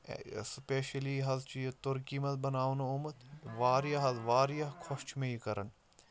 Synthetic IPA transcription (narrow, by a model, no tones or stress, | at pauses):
speːʃəliɦɐzt͡ʃit̪ʊɾkiːmɐt̪̚bɐnaːʋnʊmət̪ʋaːɾijaɦɐzʋaːɾjɐkʰoʃt͡ʃmẽikɐɾən